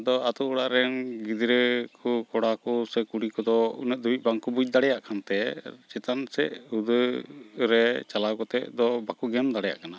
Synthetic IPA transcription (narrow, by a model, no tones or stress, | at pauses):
d̪ɔat̪uʔɔɽaʔɾɛŋɡid̪ɾəkʰɔkɔɽakɔsɛkuɽikɔd̪ɔunəd̪uic̪̚baŋkubud͡ʒ̚ˀd̪aɽɛjaʔkʰant̪ɛt͡ʃɛt̪ansɛ̰ʔhud̪əɾɛt͡ʃalawkɔt̪ɛ̰ʔd̪ɔbakuɡɛmd̪aɽɛja̰ʔkana